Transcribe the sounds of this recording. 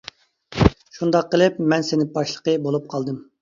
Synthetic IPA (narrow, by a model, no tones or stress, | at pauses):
ʃund̪ɑqːəlˠɨp̚mɛnsɪnɪbɑʃlˠə̥qəbolˠup̚qʰɑlˠd̪ɨm